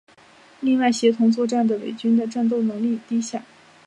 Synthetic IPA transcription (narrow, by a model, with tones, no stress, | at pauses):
li˥˧ŋwa˥˩ɪɕjɛ˧˥t̪ʰʊ˧˥ŋt͡swɔ˥˧ʈ͡ʂa˥˩nd̪ə˩we˨˩ɪt͡ɕy˥nd̪ə˨ʈ͡ʂa˥˧nt̪̬o˥˩ʊnɤ˧˥ŋli˥˩t̪i˥ɕja˥˩˦